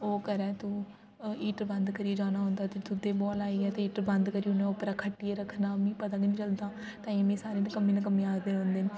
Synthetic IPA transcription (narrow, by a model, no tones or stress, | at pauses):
oːkəɾɛ̃ːt̪ũː | iːʈbənd̪kəɾid͡ʒaːnaːɦʊ̃ːnd̪aːt̪eːt̪ʊd̪eːbɔːlaːiːɛːt̪eːiːʈɾbənd̪kəɾiːunɛ̃ːopɾaːkʰəʈːieːɾəkʰnaːmĩːpət̪aːɡənĩːt͡ʃəld̪aː | t̪ãːimẽːsaːɾeːnəkəmĩːnək̬əmĩːaːd̪eːɦõːnd̪eːn